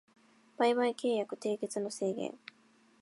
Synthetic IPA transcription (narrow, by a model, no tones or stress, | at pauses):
b̥aiβaike̞ːjakɯ̟t̪e̞ːke̞t͡sɨno̞se̞ːɡḛ̃ŋ